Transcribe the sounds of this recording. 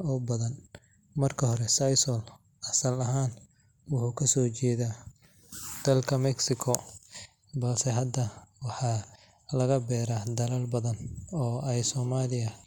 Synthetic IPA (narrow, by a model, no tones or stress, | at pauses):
ɔːbɐðɐn | mɐrkʰɐɦɔɾɛsɐjsɔl | ʔɐsɐlɐɦaːn | wʊħuːkʰɐsɔːt͡ʃɛːðaː | d̪̥ɐlkʰɐmɛksɪkʰɔ | bɐlsɛɦɐd̪ɐwɑħɑː | lɐɣɐbɛːɾaːd̪ɐlɐlbɐðɐnɔːɛjsɔːmaːlɪjɐ